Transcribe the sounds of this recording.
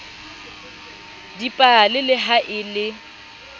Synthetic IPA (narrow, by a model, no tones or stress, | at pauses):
dipʼalɪlɪɦaʔɪlɪ